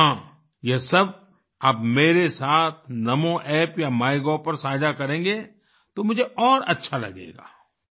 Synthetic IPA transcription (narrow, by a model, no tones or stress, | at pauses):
ɦãː | jɐsɐb̚ | aːbmeːɾesaːt̪ʰnɐmõʔɛːpjamaːɪɡɔːpɐɾsaːd͡ʒakɐɾẽːŋɡe | t̪omʊd͡ʒʱeʔɔːɾɐtːʃʰalɐ̰ɡḛːɡa̰ː